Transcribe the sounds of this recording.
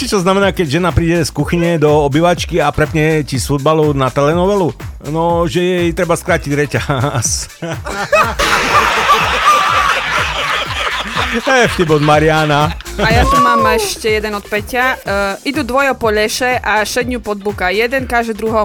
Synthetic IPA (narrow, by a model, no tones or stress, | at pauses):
t͡ʃit͡ʃɔznamɛnaːkɛɟʒɛnapɾiːɟɛskuxiɲɛd̪ɔɔbiʋat͡ʃkiapɾɛpɲɛcisfud̪̚balɔnat̪ɛlɛnɔʋɛlunɔʒɛjɛit̪ɾɛbaskɾaːciɟɾɛcas | ɛft̪ibɔd̪maɾɪanaajat̪umaːmɛʃcɛjɛd̪ɛnɔt̪̚pɛcɪaʔid̪ud̪ʋɔjɔpɔʎɛʃɛʔaʃɛd̪ɲupɔd̪̚bukajɛd̪ɛnkaʒɛd̪ɾuɦɔ